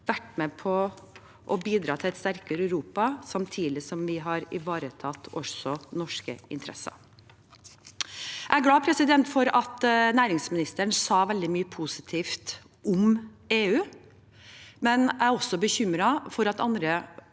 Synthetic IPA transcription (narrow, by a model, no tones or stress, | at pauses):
ʋæʈmɛpʰɔ | ʔɔbiːd̪ɾɑːt̪ʰɪlɛt̪st̪æɾkəɾœɾuːpɑsɑmt̪ʰiːlɪsɔmʋɪɦɑɾɪʋɑːɾət̪ʰɑt̪ːɔsɔnɔʂkə̰ɪ̰nt̪ʰɾʔɛ̰sɑ̰ | ʔææɡlɑːpʰɾɛsɪd̪ɛnt̪fɔɾɑt̪næːɾɪŋsmɪnɪst̪əɳsɑːʋɛld̪ɪmyːəpʰuːsɪt̪ʰiːft̪ | ʔʊm | eːʉː | mɛnæɔsɔbəçʏmɾɑfɔɾɑt̪ɑ̰nd̪ɾə